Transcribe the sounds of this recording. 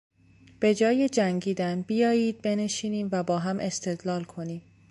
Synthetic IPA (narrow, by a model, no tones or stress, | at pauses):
b̥e̞d͡ʒɒːjed͡ʒæŋɟiːd̪ænbijɒːjiːd̪̚be̞neʃiːniːmvæbɒːɦæmʔe̞st̪ʰe̞d̪lɒːlkʰo̞niːm